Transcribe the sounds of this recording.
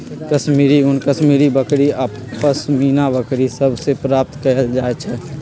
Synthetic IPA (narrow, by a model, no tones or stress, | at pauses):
kəʃmiːɾiʊnkəʃmiːɾibəkɽia | əsmiːnabəkɾisəbsepɾaːp̚t̪kəəld͡ʒaːt͡ʃʰɛː